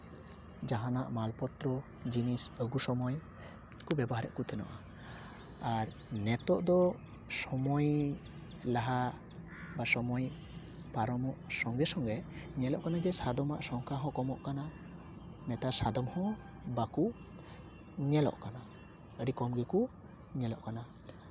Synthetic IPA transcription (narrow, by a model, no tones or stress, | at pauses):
d͡ʒaɦanaʔmalpɔt̪ɾɔ | d͡ʒinisəɡusɔmɔj | kubɛbɔɦaɾɛ̰ʔkut̪ʰɛnɔ̰ʔa | aɾ | nɛt̪ɔʔd̪ɔ | sɔmɔj | laɦa | basɔmɔj | paɾɔmɔʔsɔŋɡɛsɔŋɡɛɲɛlɔʔkanad͡ʒɛsad̪ɔmaʔsɔŋkʰaɦɔ̃kɔmɔʔkana | nɛt̪asad̪ɔmhɔ̃ | baku | ɲɛlɔ̰ʔkana | əɖikɔmɡɛku | ɲɛlɔ̰ʔkana